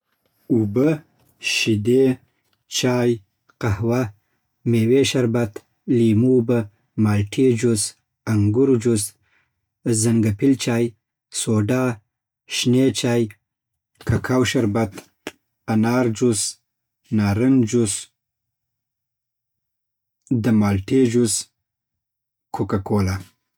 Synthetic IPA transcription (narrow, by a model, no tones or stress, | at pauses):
ubə | ʃid̪e | t͡ʃaːj | qahwa | meweʃaɾbat̪ | limubə | maːlʈʰid͡ʒus | aŋɡʊɾd͡ʒus | zaŋɡapɪlt͡ʃaːj | soːɖaː | ʃnet͡ʃaːj | kʰakʰawʃaɾbat̪ | anɑːɾd͡ʒus | naːɾənd͡ʒus | d̪əmaːlʈed͡ʒus | kʰukakoːla